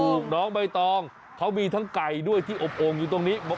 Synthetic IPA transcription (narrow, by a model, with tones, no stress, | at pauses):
o˨˩k̚nɔː˦˥ŋba˧jt̪ɔː˧ŋ | kʰa˦˥wmiː˧t̪ʰa˦˥ŋka˧jdu˥˩əjt̪ʰiː˥˩ʔo˨˩p̚ʔoː˧ŋjuː˨˩t̪o˧ŋniː˦˥m˦